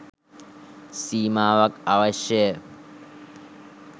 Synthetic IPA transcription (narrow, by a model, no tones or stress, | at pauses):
siːmaːʋɐkɐʋɐʃjə